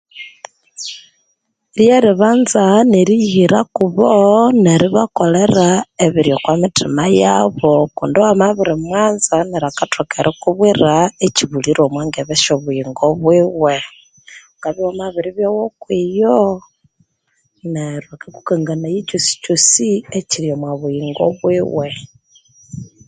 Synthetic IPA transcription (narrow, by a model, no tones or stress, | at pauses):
ɾjeɾiβaːnzaneɾihiɾakuβoneɾiβakoleraeβiɾjokwamitʰimajaβokṵndowamaβiɾimwaːnzaneɾakatʰokeɾʔikuβwiraeciβuliɾomweːŋɡeβeʃoβujiŋɡoβwiwe | ŋɡaβiwamaβiɾiβjowokwijo | neɾwekaku̥kaŋɡanajit͡ʃosi̥t͡ʃosieciliomwaβujiŋɡo̰βwiwe